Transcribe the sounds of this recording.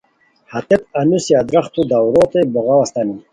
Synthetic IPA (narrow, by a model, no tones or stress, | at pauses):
hat̪ep̪̚anusjad̪ɾaχt̪ud̪awɾot̪ebɔɣawast̪ani